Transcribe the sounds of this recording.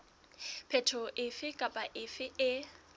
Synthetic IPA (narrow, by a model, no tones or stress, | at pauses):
pʰɛtʰɔʔɪfɪkʼapʼaʔɪfɪɪ